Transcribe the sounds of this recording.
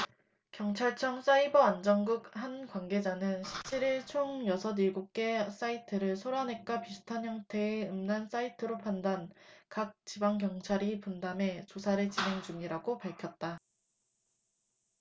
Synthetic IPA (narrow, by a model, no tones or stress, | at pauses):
kjʌŋt͡ɕʰaɭt͡ɕʰʌŋs͈aibʌand͡ʑʌŋɡɯk̚hankwanɡe̞d͡ʑanɯnɕʰip̚t͡ɕʰiɾiɭt͡ɕʰoŋjʌsʰʌniɭɡuk̚k͈e̞s͈aitʰɯɾɯɭsʰoɾanɦe̞k͈apisʰu̥tʰanjʌŋtʰe̞ːɯmnans͈aitʰɯɾopʰandankak̚t͡ɕibaŋkjʌŋt͡ɕʰaɾipundame̞t͡ɕosʰaɾet͡ɕinɦe̞ŋd͡ʑuŋiɾaɡopaɭkʰjʌt̚t͈a